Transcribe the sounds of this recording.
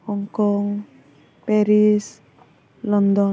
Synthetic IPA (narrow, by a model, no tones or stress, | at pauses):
ɔŋkɔŋ | pɛɾis | lɔnd̪ɔ